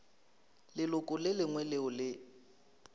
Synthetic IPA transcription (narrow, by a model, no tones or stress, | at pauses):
lɪlʊkʼʊlɪlɪŋwɛlɪʊlɪ